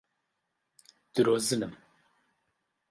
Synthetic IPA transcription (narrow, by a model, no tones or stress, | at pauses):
d̪̥ɨɾozɨnɨm